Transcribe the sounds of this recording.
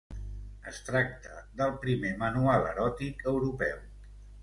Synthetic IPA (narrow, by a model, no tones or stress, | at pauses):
əst̪ɾak̚t̪əðəlˠpɾimemənualˠə̰ɾɔt̪ikəwɾupɛ̰w